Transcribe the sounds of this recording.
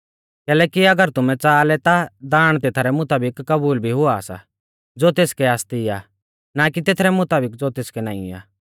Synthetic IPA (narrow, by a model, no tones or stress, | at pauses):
kɛːlɛːkiɐɡəɾt̪ʊmɛ̃t͡saːlɛt̪ad̪aːɽ̃t̪eːt̪ʰaːɾɛmʊt̪aːbɪkːɐbuːlbʱiɦʊasa̰ | d͡zoːt̪eːskɛaːst̪ia̰ | nakit̪eːt̪ʰɾɛmʊt̪aːbɪk̬̚d͡zot̪eːskɛnã̰ːḭ̃a̰ː